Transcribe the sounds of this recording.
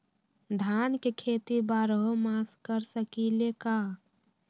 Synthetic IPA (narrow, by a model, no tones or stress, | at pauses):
d̪ʱankekʰet̪ibaɾəɦomaskəɾsəkileka